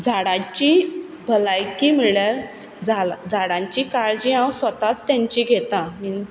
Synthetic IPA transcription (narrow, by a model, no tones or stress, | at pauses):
d͡zʱaɽãt͡ɕi | bʱəlajkim̤iɭjaɾ | d͡zad͡zʱaɽãɲt͡ɕikaɾd͡ʑiãwsʋət̪at̪ːjãɲt͡ɕiɡʱet̪ãmin